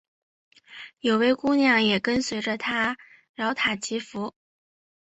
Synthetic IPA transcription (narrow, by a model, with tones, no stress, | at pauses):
jo˨˩ʊwe˥ɪku˥njɑ˥˩ŋjɛ˨˩kə˥nswe˧˥ɪʈ͡ʂə˧t̪ʰa˥ | ɻɑ˧˥ʊt̪ʰa˨˩t͡ɕʰi˧˥fu˧˥